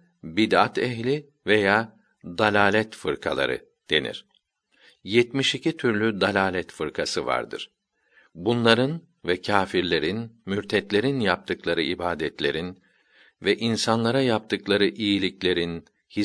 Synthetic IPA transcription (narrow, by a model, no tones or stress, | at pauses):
bid̪at̪ʰɛçlʲi | vejaː | d̪alʲaːlʲɛt̪fɯɾkʰa̰lˠa̰ɾɯ̰ | d̪̥e̞̰nḭɾ̥ | jɛt̪miʃicʰit̪ʰyɾlʲyd̪alʲaːlʲɛt̪fɯɾkʰasɯva̰ɾd̪ɯ̰ɾ̥ | bunlˠaɾɯn | vɛcʰaːfiɾlʲe̞ɾinmyɾt̪ʰɛt̪lʲe̞ɾinjap̚t̪ʰɯklˠaɾɯibaːd̪ɛt̪lʲe̞ɾin | vɛʔinsanlˠaɾajap̚t̪ʰɯklˠaɾɯʔijilʲiclʲe̞ɾin | hi